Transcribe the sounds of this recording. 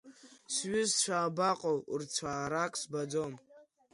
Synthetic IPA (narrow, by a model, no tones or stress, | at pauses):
sɥʏzt͡ʃʷʰaːbaqʼowṵrt͡sʷʰaːɾakʼsbad͡zom